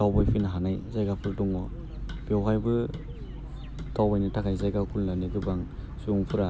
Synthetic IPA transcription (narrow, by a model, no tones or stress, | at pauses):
tawbajpʰinɦanajzajɡapʰɯltɔŋɔ | b̥ewɦajbɯ | tawbajnitʰakʰajzajɡakʰulːaniɡɯbaŋ | suŋpʰuɾa